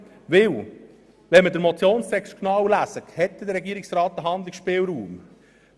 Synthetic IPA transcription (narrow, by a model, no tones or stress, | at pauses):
ʋɪw | ʋɛnməd̪əɾmɔt͡sjoːnstɛksknɑwlæsəkhɛt̪ːɛd̪əɾɛɡiːəɾɪksɾɑːt̪ːəɦɑnd̪lɪksʃpɪːlɾuːm